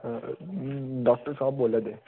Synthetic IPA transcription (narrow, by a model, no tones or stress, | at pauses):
ɖɔk̚ʈəɾsabboːləd̪e